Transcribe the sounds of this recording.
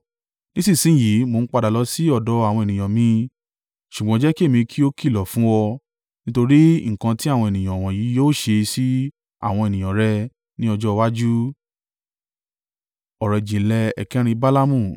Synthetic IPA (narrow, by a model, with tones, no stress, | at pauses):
nĩ˦si˦˨sĩ˨˦˨ji˨˦mo˧n̩˦k͡pa˧da˨lɔ˨˦si˦ɔ˦˨dɔ˨˧˦a˨w̃ɔ̃˧e˨nĩ˨j̃ã˨mĩ˧ | ʃu˨ɡ͡bɔ̃˨˦d͡ʒɛ˦ki˦e˦˨mĩ˧kʰi˦o˦ki˦˨lɔ˨fũ˦wɔ˧ | nĩ˦to˧ɾi˦ŋ̩˨kã˧ti˦a˦˨wɔ̃˧e˨nĩ˨j̃ã˨w̃ɔ̃˨jiː˨˦joː˦ʃe˧si˦ | a̰˨w̃ɔ̃˧e˨nĩ˨j̃ã˨ɾɛ˧ | nĩ˦ɔ˧d͡ʒɔ˦˧wa˦d͡ʒu˦ | ɔ˨ɾɛ˨d͡ʒĩ˨n̩˦lɛ˧ɛ̰˨kɛ˦ɾ̃ĩ˧ba˦la˦mũ˦˨